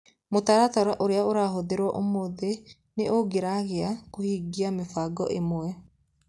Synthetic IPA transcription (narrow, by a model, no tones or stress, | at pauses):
motaɾataɾaʔoɾeaoɾaɦoðeɾwɔʔomoðe | neʔoɡeɾaɣeakohiːɡiamefaɡɔ̰ʔḛmwɛ